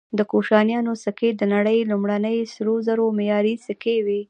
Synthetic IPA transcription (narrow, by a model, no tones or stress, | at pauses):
d̪əkoʃɑnjɑnosaked̪ənaɽəjlumɽanəjsɾozaɾomejɑɾisəkewi